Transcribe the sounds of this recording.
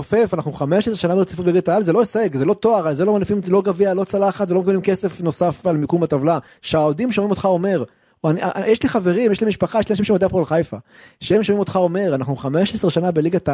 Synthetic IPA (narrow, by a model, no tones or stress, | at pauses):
ofefanaχnuχameʃesʁʃanabet͡sifubeiɡat̪aalzelo̞eseɡzelo̞t̪oaʁalzelomanifimlo̞ɡavialo̞t͡salaχat̪veo̞mekablimke̞se̞fno̞safalmikumbat̪avla | ʃaod̪imʃomimo̞t̪χao̞me̞ʁ | aniajeʃliχave̞ʁimjeʃlimiʃpaχajeʃlianaʃimʃemodeapoalχajfaʃeemʃomimo̞t̪χaome̞ʁanaχnuχameʃesʁeʃanabeliɡat̪a